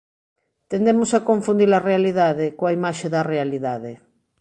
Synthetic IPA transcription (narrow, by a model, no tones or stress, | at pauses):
t̪end̪emosakoɱfund̪iɾarealiðaðekoaimaʃeðɐrealiðaðe